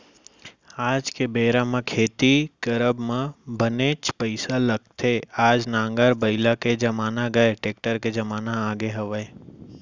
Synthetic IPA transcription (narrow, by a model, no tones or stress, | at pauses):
aːd͡ʒkebeːɾãmẽkʰeːt̪ikəɾəbmẽbəneːt͡ʃpəɪsalɐɡ̚t̪ʰeaːd͡ʒnãːŋɡəɾbəɪlaked͡ʒɐmaːnaɡɐeʈeːk̚ʈəɾked͡ʒɐmaːnaaːɡeɦɐʋəe